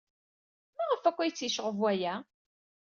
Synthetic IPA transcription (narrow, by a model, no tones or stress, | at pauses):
maʁəfækʷːæjt͡sːjiʃəʁəvwæjæ